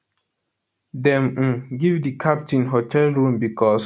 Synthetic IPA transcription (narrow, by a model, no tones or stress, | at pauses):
dɛ̃m̩ɡivdikʰap̚tĩnɦotʰɛlɹũmbikʰɔs